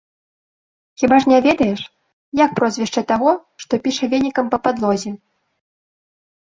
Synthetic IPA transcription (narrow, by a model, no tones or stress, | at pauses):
xʲibaʂnʲavʲɛd̪ɐjɛʂ | jak̚pɾɔzʲvʲɛʂt͡ʂɐt̪aɣɔʂt̪ɔpʲiʂɐvʲɛnʲikɐmpɐpad̪lˠɔzʲɛ